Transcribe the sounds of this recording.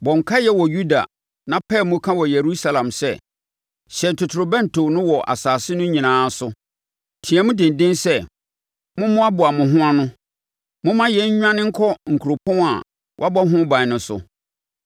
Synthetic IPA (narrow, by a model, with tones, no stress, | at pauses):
bɔ̃˨ŋ̩˨kʰa˦jɛ˦wɔ˨ju˦da̰˨ | nã˦pʰɛ˦˨mʊ̃˦kʰã˦wɔ˨je˨ɾu˦sa˦lã˨msɛ˦˨ | ɕɛ˨n̩˨tʰʊ˨tʰʊ˨ɾʊ˨bɛ̃˦n̩˨tʰo˨nʊ̃˦wɔ˨ʔa̰˨saː˨sɪ˦nʊ̃˦ɲĩ˨nãː˨˦sʊ˦ | tʰĩ˨ɛ˨mʊ̃˦dɪ̃˨n̩˨dɪ̃˦nsɛ˦˨ | mʊ̃˦mʊ̃˦a˦bʊ˨a˨mʊ̃˨ɦʊ̃˦a˦nʊ̃˦ | mʊ̃˦mã˦jɛ˨˦ɲ̩˦ɲᶣ˦ã˦nɪ̃˦ŋ̩˦kʰɔ˦ŋ̩˨kʰu˨ɾo˨pʰɔ̃˦a̰˨ | wʔa˦bɔ˦ɦʊ̃˦bã˨nʊ̃˨sʊ̰˨